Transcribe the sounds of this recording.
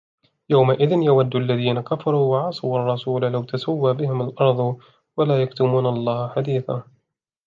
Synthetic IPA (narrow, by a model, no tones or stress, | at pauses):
jawmaʔɪðɪnjawad̪ːʊʔalːaðiːnakafɑɾˤuːwɑʕɑsˤuwʔɑrˤːɑsuːlalawt̪asawːaːbɪhɪmalʔɑɾˤd̪ˤ | walaːjakt̪ʊmuːnlˤːɑːhaħad̪iːθa̰ː